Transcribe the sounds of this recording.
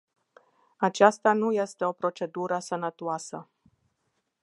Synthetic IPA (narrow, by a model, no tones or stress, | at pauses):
at͡ʃast̪anuje̞st̪e̞o̞pɾo̞t͡ʃe̞d̪uɾəsənət̪oasə